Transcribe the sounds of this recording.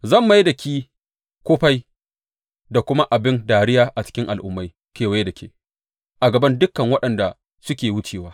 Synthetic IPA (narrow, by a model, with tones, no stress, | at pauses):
zɐ˦˨mːa˦jdɐ˨kʲiː˦ | kʷoː˦ɸa˦j | da˨kʷʊ˦ma˦ʔa˨bɪ˦ndaː˨ɽɪ˦jaː˦ʔa˨t͡ʃɪ̥˦kʲɪ˦ŋʔa̰˨lʔʊ̰˦mːa˦j | kʲeː˨we˦dɐ˨kʲḛː˦ | ʔa˨ɡɐ˨bɐ˦ndʊ˦kːɐ˨ŋwɐ˦ɗɐ˨nda˨ | sʊ˦kʲeː˨wʊ˦t͡ʃeː˨waː˦